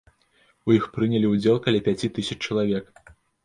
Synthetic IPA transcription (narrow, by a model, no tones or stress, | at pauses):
ujixpɾɨnʲɐlʲiud͡zʲelˠkɐlʲɛpʲat͡sʲit̪ɨsʲɐt͡ʃt͡ʂːɐlˠavʲɛk